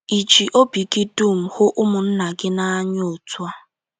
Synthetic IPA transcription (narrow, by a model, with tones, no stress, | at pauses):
i˨d͡ʒi˨ʔo˦bi˨ɡɪ˦du˦˨m̩˨hʊ˦ʔʊ˦mʊ˨n̩˦na˨ɡɪ˦na˦a˦ɲ˦o˨tu˦a˦